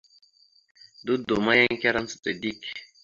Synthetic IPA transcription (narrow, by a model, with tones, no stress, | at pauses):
du˦do˨ma˦ja˦ŋ˦kʲa˦ɾa˦n˦t͡su̥˨te˨di˦˨k